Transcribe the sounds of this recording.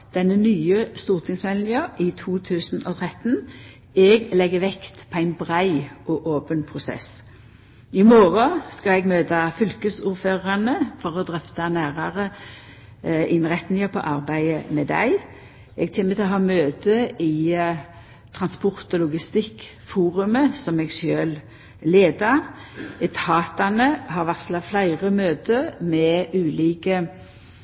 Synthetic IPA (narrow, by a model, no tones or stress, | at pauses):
d̪̥ɛnːənyːəst̪uːʁt̪ʰɪŋsmɛlnɪəʔɪt̪ʰuːt̪ʰʉːsnɔ̰t̪ʰʁɛt̪n | ɛɡlɛɡːəʋɛkt̪pʰɔæɪnbʁæɪʔɔʔoːpənpʰʁʊsɛ̰s | ɪmoːʁɔskɑɛɡmøːt̪ɑfʏlkəsuːʁføːʁɑnəfɔʁɔd̪ʁœft̪ɑnæːʁɑʁə | ɪnʁɛt̪nɪŋəpʰɔ̰ʔɑʁbæɪəmɛd̪æ̰ɪ | ɛɡt̪ʰeːmːət̪ʰɪlɔɦɑːmøːt̪əʔɪ | t̪ʰʁɑnspʊʁt̪ɔlʊɡɪst̪ɪkː | fuːʁʉməsɔmɛɡsøːl | leːd̪ɑɛt̪ʰɑːt̪ɑnəhɑɾʋæt̪slɑflæɪʁəmøːt̪əmɛʔʉːliːkə